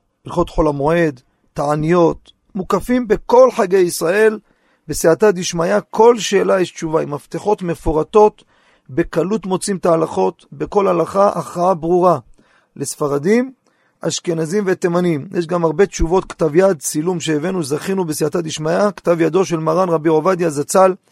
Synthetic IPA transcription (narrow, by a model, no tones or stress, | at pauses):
ilχo̞t̪ħo̞lamoe̞d̪ː | aʕanijo̞t̪ | mukafimbe̞ko̞lħaɡejisʁae̞l | besiʕat̪ad̪iʃmajakʰo̞lʃe̞ːlajeʃtt͡ʃuvaimaft̪eħo̞t̪me̞foʁat̪o̞t̪ | be̞kalut̪mo̞t͡simt̪aalaχo̞t̪be̞ko̞lhalaχaʔaχʁaabʁuʁa | lesfaʁad̪im | a̰ʃke̞nazimvet̪emanimjʔeʃɡamaʁbe̞t͡ʃuvo̞t̪kt̪avjad̪t͡silumʃeːvenuzaχinubesiʕat̪ad̪iʃmajakt̪avjad̪o̞ʃe̞lmaʁanʁabiovad̪jazat͡sal